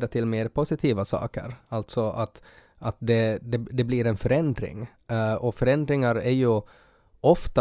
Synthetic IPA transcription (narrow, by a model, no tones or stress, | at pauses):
d̪aʈ̪ʰɪlmeːɾpʰʊsɪt̪ʰiːvasɑ̰ːkə̰ɾalt̪sɔat̪ | at̪̚d̪ɛd̪ɛd̪ɛbliːɾɛnfœɾɛnd̪ɾɪ̰ŋ | ɔfœɾɛnd̪ɾɪŋaɾæɾjɵ | ɔft̪a